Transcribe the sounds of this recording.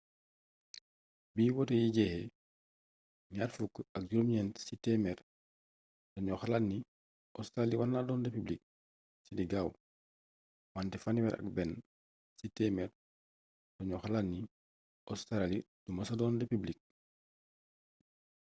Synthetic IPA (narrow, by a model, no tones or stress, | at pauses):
biːwɔtejiɟɛhɛ | ɲaːrfukːɐk̚ɟuɾumɲɛnsitɛmɛɾ | d̥ɔɲɔxalanːi | ʔɔstɾaliwanːadɔndepiblik̚ | sidiɡaːw | wantɛfaniwɛɾʔɐ̰k̚bɛn | sitɛmɛɾ | dɔɲɔxalanːi | ʔɔstɾali | dumasedɔndepiblik̚